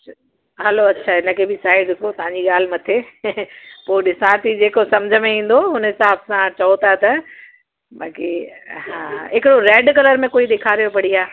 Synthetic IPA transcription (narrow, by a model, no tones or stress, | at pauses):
ɦɐloɐtːɕʰaɪnə̆kʰebʱɪsaːɦɪdɪkʰot̪ɐɦãɲd͡ʑiɠaːl̤ɪ̆mɐt̪ʰe | poːɗɪsãːt̪ʰid͡ʑeːkosɐmd͡ʑʱəmẽĩːn̆d̪oɦʊnəɪsãːbsãt͡ɕɐot̪at̪ɐ | ɓaːkiɦãːɦɪkɪɽoɾeːɖkɐləɾmẽkoːiɗ̪eːkʰaːɾijopɐɽ̤iaː